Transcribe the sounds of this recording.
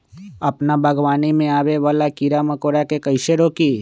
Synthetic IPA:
ɐpnabʱɐɡʋaːnimẽaːweʋaːlakiɾamɐkoːɾakekɐɪʃeɾoki

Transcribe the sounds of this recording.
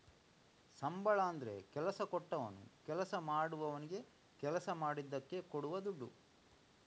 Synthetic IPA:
sɐmbɐɭaːnd̪ɐɾe̞̰kɛlɐsɐkɔʈːɐʋɐ̰nːṵkɛlɐsɐmaːɽuʋɐʋɐniɡe̞ | kɛlɐsɐmaːɽid̪ːɐkːe̞koɽuʋɐd̪uɖːu

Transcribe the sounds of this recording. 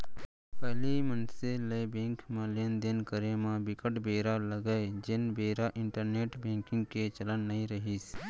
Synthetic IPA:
pɛɦlimənseləebẽːŋkmalɪjənd̪ɪnkəɾemãbɪkəʈbeːɾaləɡəd͡ʒɪnbeːɾaʔɪ̃ɳʈəɾneːʈbẽːŋkɪ̃ŋɡ̚ket͡ʃələnːɐɦĩɾəɦiːs

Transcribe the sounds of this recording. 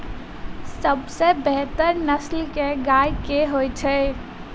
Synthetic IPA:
səbsebɛɦt̪əɾnəslkeɡajkeɦojt͡ʃʰɛ

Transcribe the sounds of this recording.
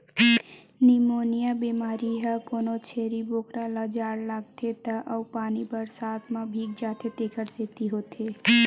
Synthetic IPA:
nimoːnijabemaːɾiɦəkoːnot͡ʃʰeːɾiboːkɾalad͡ʒaːɽlaɡt̪ʰet̪aʔəwpaːnibəɾsaːt̪mãbʱiːk̚d͡ʒaːt̪ʰet̪eːkʰəɾset̪iɦoːt̪ʰe

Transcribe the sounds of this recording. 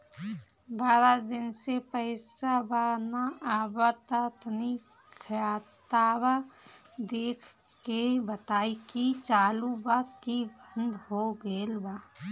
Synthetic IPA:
baːɾad̪ɪnsepəɪsabanaaːbət̪at̪ni | kʰaːt̪aːba | d̪eːkʰ | kebət̪aːikit͡ʃaːlubakkibə̃nd̪ɦoɡelba

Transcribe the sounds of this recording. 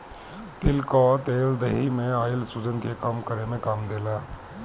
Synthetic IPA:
t̪ɪlkɔːt̪eːld̪eɦimẽaːɪlsuːd͡ʒənkekamkəɾemẽkaːmd̪eːlaː

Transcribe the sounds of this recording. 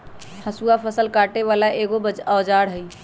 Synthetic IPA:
həsuapʰəsəlkaʈeβalaʔeɡobəd͡ʒəːd͡ʒaɽɦəj

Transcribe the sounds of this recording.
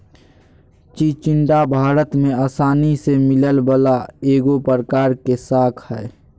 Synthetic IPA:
t͡ʃit͡ʃɪɳʈabʱaːɾət̪mẽaːsaːnisemɪləlbəlaeːɡopəɾəkaːɾkesaːkʰhɛː

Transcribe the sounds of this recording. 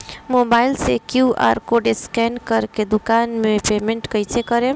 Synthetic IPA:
mobailsekjua̰ɾkoɖeskɛnkəɾked̪ukanmepemeɳʈkəjt͡ʃʰekəɾe

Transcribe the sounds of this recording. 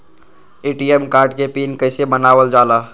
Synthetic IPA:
eːʈiemkaːɾɖkepinkəɪsebənaːʋəld͡ʒaːla

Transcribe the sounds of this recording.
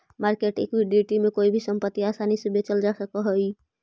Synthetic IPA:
maɾkeʈekwiɖiʈimekoibʱisəmpət̪ːiasanisẽbet͡ʃəld͡ʒasəkəɦəj

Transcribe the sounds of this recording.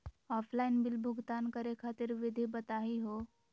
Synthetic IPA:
ɔːpʰlaɪnbɪlbʱʊɡt̪aːnkəɾekʰaːt̪ɪɾʋɪd̪ʱibət̪aːɦiɦoː

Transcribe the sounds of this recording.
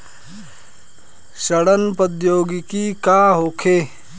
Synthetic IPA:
ʃəɽənpəd̪joːɡkikaɦoːkʰeː

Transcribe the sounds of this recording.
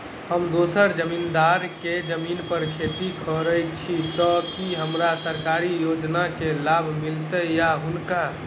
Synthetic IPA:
həmd̪osəɾd͡ʒəmind̪aɾked͡ʒəminpəɾkʰet̪ikʰəɾəjt͡ʃʰit̪ɔkiɦəmɾasəɾkaɾijod͡ʒnakelabʱmilt̪əjaɦunka

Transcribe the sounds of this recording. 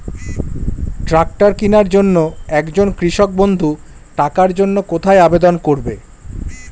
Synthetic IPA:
ʈɾak̚ʈaɾkinaɾd͡ʑonːoɛkd͡ʑonkɾiʃok̚bond̪ʱu | ʈakaɾd͡ʑonːokot̪ʰaeabed̪onkoɾbe

